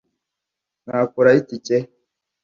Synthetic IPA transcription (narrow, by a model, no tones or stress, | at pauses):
n̥hakuɾaicice